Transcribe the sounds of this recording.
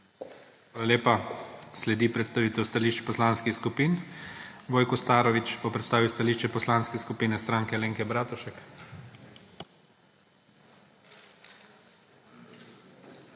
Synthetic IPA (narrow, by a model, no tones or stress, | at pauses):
xʋaːlaleːpaslɛd̪ipɾɛt̪st̪aʋiːt̪ɛwst̪aliʃt͡ʃpɔslaːnskixskupiːn | ʋoːjkɔst̪aːɾɔʋit͡ʃbɔpɾɛt̪st̪aːʋiwst̪aliːʃt͡ʃɛpɔslanskɛskupiːnɛst̪ɾaːŋkɛleːŋkɛbɾaːt̪uʃɛk